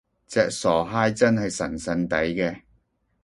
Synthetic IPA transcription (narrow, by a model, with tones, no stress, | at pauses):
t͡sɛː˨˧k̚sɔː˨˩ɦaː˥jt͡sɐ˥nhɐ˨jsɐ̰˨˩nsɐ˧nt̪ɐ˨˥jkɛː˧